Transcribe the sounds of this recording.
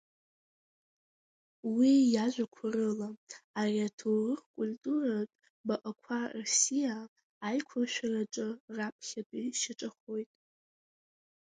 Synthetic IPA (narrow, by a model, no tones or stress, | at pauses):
wijaʒʷakʷʰarɨlaariatʰowrɨrkʷʼultʼuratʼ | baʔakʷʰarosijaː | jkʷʰarʃᶣaraʈ͡ʂʷʼɨrapʰχʲatʼiʃaʈ͡ʂʼaχo̞jtʼ